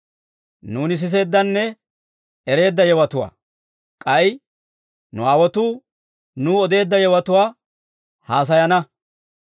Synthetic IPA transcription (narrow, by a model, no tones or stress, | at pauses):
nuːnɪs̬ɪs̬e̞ːd̪ːɐnːɛ | ɛɾe̞ːd̪ːɐjɛwɐt̪ʊwa̰ː | kʼɐj | nʊaːwɔt̪uː | nuːɔd̪e̞ːd̪ːɐjɛwɐt̪ʊwaː | haːs̬ɐjɐnɐ